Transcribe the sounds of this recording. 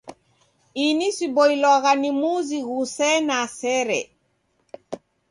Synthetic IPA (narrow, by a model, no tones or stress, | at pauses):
inisibɔilɔɣanimuziɣusɛnasɛɾɛ̰